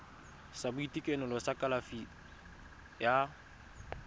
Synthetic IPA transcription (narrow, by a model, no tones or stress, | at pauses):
sabʊitikʼɛnʊlɔsakʼalafi | ja